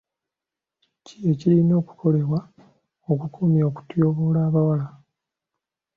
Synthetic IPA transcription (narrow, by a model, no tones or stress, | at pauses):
cie̞cilino̞ːku̥kʰo̞le̞βwa | okukuːmjaːku̥tjo̞ːβoːlaːβawala